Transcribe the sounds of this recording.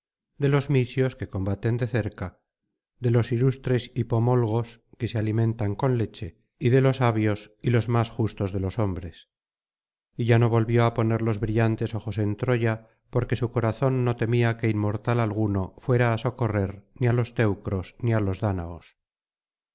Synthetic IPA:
d̪e̞lo̞zmisjo̞ske̞ko̞mbat̪e̞nd̪e̞θe̞ɾka | d̪e̞lo̞silust̪ɾe̞sipo̞mo̞lɣ̞o̞ske̞sealimẽ̞nt̪aŋko̞nle̞t͡ʃe̞ | iðe̞lo̞saβjo̞silo̞zmasxust̪o̞zðelo̞so̞mbɾe̞s | iʝano̞βo̞lβjo̞apo̞neɾlo̞zβɾiʎant̪e̞so̞χo̞se̞nt̪ɾo̞ʝa | po̞ɾke̞suko̞ɾaθo̞nːo̞t̪e̞miake̞immo̞ɾt̪alalɣ̞uno̞fwe̞ɾaːso̞ko̞re̞ɾnialo̞st̪e̞wkɾo̞snialo̞zðana̰os

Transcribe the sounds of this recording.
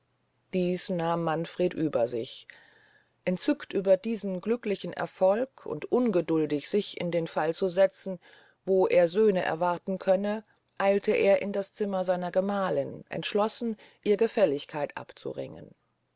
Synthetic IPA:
d̥iːsnaːmːanfʁ̥eːtʔyːbɐzɪ̰ç | ʔɛntt͡sʏktʔyːbɐdiːzn̩ɡlʏklɪçn̩ʔɛ̰ɐfɔlkʰʊ̰ntʔʊnɡədʊldɪçz̥ɪçɪ̰ndeːnfalt͡suzɛt͡sn̩ | voːʔeːɐzøːnəʔɛ̰ɐvaɐtn̩kʰœnə | ʔaɪltʰəʔeːɐʔɪndast͡sɪmɐzaɪnɐɡəmaːlɪnʔɛ̰ntʃlɔsn̩ʔiːɐɡəfɛlɪçkʰaɪtʔa̰pt͡sṵʁɪ̰ŋə̰n

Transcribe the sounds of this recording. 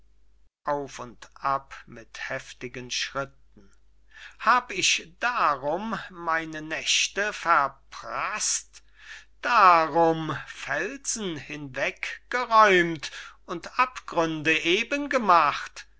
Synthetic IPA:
ʔaʊfʊntʔapmɪthɛftɪɡənʃʁ̥ɪt̚ | n̩ | haːbəɪçd̥aʁʊmːaɪnənɛʃtəfɛɐpʁast | d̥aʁʊmfɛlz̥n̩hɪnvɛkɡ̥əʁɔʏmtʊntʔapɡ̥ʁʏndəʔeːbənɡəmaχt

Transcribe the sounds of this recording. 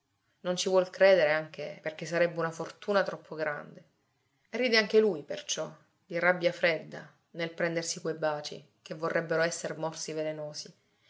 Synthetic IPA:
nont͡ʃivwɔlkɾeːd̪eɾeaŋk̟eperk̟esːaɾɛbːeunafort̪uːnat̪ɾɔpʰːoɡɾa̰nd̪e | rːiːd̪eaŋk̟elujpḛrt͡ʃɔ | d̪̥irabːjafɾed̪ːa̰ | nelpɾɛnd̪ersikwejbaːt͡ʃḭ | kevːorːɛbːeɾoɛsːeɾmɔrsivelenoːsi

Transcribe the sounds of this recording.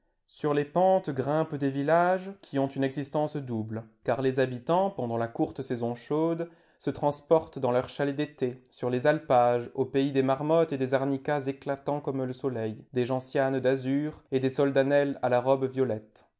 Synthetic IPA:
syʁlepɑ̃t̪ɡʁɛ̃pd̪evilaʒkʲʰiɔ̃t̪ynɛɡzist̪ɑ̃sd̪ublkaʁlezabit̪ɑ̃pɑ̃d̪ɑ̃lakuʁt̪sɛzɔ̃ʃod̪ | sət̪χɑ̃spɔʁt̪d̪ɑ̃lœʁʃaled̪et̪esyʁlezalpaʒopeid̪emaʁmɔt̪ed̪ezaʁnikazeklat̪ɑ̃kɔmləsɔlɛjd̪eʒɑ̃sjand̪azyʁed̪esɔld̪anɛlalaʁɔbvjɔlɛt̪

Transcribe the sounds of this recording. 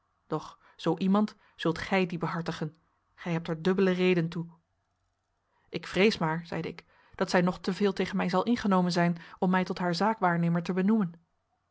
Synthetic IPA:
d̥ɔχ | z̥owʔimɑnt | z̥ɵlˠtχɛjdibəɦɑɹtəχən | χɛjɦɛp̚tɛɹdɵbələrejdəntu | ʔɪkfrejsmaːɹz̥ɛ̰jdəɪk | d̥ɑtsɛjnɔχtəvɪːlˠtejχənmɛjzɑlˠʔɪnχənowmənzɛjnɔmːɛjtɔtɦaːɹzaːkʋaːɹnejməɹtəbənumən

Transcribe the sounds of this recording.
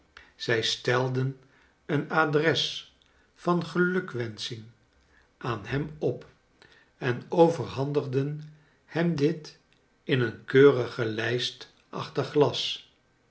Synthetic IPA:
z̥ɛjstɛlˠdən | ənaːdrɛs | fɑnχəlɵkʋɛnsɪŋ | ʔaːnhɛmɔp | ɛnowvəɹɦɑndəχdən | hɛmdɪt | ɪnənkøːrəχəlɛjst | ʔɑ̰χtərχlɑs

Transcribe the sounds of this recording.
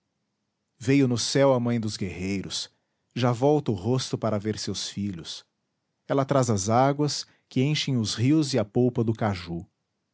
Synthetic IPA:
vejʊnʊsɛwɐmɐ̃j̃d̪ʊzɡeɦejɾʊs | ʒavɔwt̪ɐʊɦost̪ʊpaɾɐveɾsewsfiʎʊs | ɛlɐt̪ɾazɐzaɡwɐs | kɪẽʃẽj̃ʊzhiwzɪɐpowpɐd̪ʊkaʒu

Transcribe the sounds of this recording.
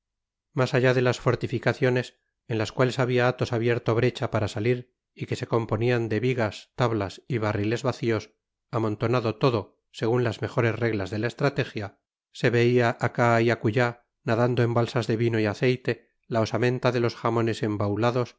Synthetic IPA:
masaʝaðe̞lasfo̞ɾt̪ifikaθjo̞ne̞s | enlaskwale̞saβiaat̪o̞saβje̞ɾt̪oβɾe̞t͡ʃapaɾasaliɾ | ike̞se̞ko̞mpo̞niand̪e̞βiɣast̪aβlasiβ̞arile̞zβaθio̞s | amo̞nt̪o̞naðo̞t̪o̞ðo̞ | se̞ɣunlazme̞xo̞ɾe̞zre̞ɣlazðe̞laest̪ɾat̪e̞xja | se̞βe̞iaʔakaiakuʝa | naðand̪oe̞mbalsazðe̞βino̞iaθe̞jt̪e̞ | laosamẽ̞nt̪aðe̞lo̞sxamo̞ne̞se̞mbawlaðo̞s

